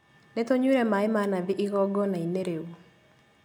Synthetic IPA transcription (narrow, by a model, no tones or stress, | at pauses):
nɛt̪oɲeɾemaɪmanaðɪʔɪɣɔɡɔnaineɾeu